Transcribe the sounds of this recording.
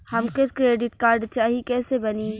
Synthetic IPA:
hɐmkəɾkɾeːɖɪʈkaːɾɖt͡ʃaːɦikɛːsebɐniː

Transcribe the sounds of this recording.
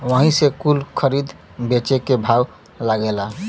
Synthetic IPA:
ʋəɦĩsekulkʰəɾid̪ʱ | bet͡ʃekebʱaw | laɡela

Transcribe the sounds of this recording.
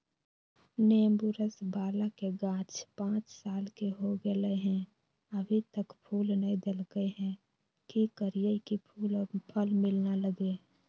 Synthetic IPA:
neːmbuɾəsbaːlakeɡãːt͡ʃpãːt͡ʃsaːlkeɦoɡələeɦɛ̃ | əbʱit̪əkpʰuːlnəĩd̪elɡəeɦɛ̃ | kikəɾijəikipʰuːlɔːpʰəlmɪlnaləɡe

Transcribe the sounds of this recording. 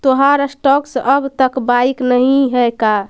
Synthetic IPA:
t̪oɦaɾsʈɔksʔəbt̪əkbaiknəɦĩɦɛka

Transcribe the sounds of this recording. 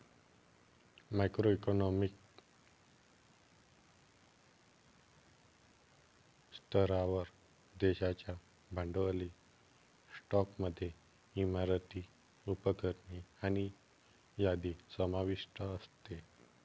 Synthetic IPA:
majkɾoikonɔmik̚ | st̪ʰəɾaʋəɾ | d̪eɕat͡ɕja | bʱəɳɖəli | sʈɔkməd̪ʱːje | imaɾət̪iː | upəkəɾɳiañi | jad̪isəmaʋiʂʈʰəəst̪e

